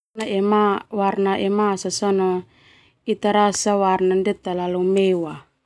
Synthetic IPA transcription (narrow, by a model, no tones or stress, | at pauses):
aɛmawarnaʔɛmasasɔnɔ | it̪aɾasawarnandɛt̪alalumɛwa